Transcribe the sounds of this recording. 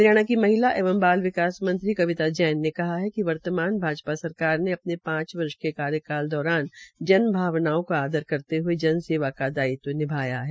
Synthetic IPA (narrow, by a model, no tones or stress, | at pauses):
ɾjaːɽ̃akimɐɦɪlaʔeːʋəmbaːlʋɪkaːsmɐ̃nt̪ɾikɐʋɪt̪ad͡ʒɛːnːekɐɦaɦɛkiʋɐɾt̪əmaːnbʱaːd͡ʒpasɐɾkaːɾneɐp̚nepãːt͡ʃʋɐɾʃkekaːɾjəkaːld̪ɔːɾaːnd͡ʒɐnbʱaːʋnaːõkaaːd̪əɾkɐɾt̪eɦued͡ʒɐnseːʋakad̪aːit̪onɪbʱaːja̰ɦɛː